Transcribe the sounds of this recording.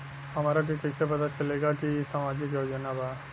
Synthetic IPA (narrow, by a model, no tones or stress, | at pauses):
hɐmaɾak̬ekɐsep̬ɐt̪at͡ʃɐleːɡakisaːmaːd͡ʒik̬joːd͡ʒɐnaba